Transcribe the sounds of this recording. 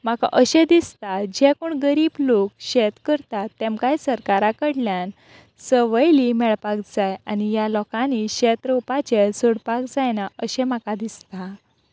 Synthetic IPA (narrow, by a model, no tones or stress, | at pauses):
m̤aka̰ʔəɕẽd̪ist̪ad͡ʑɛkuɳɡəɾiːblokɕɛt̪kəɾt̪at̪ːɛmkajsəɾkaɾakəɽljan | səʋəjlimɛɭpak̚d͡zajanijalɔkãniɕɛt̪ɾopat͡ɕesoɽpakd͡zajnaəɕɛ̃makad̪ist̪a